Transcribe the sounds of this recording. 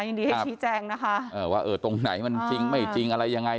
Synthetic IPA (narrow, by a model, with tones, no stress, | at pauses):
a˧˩ji˧ŋdiː˧ha˥˦˩t͡ɕʰiː˦˥t͡ɕɛː˧ŋna˦˥kʰa˦˥ʔɤː˧˩waː˧˩ʔɤː˧˩t̪o˧ŋna˩˦jma˧nt͡ɕi˧ŋma˥˩jt͡ɕi˧ŋʔa˧ɾa˧jːa˧ŋːa˧j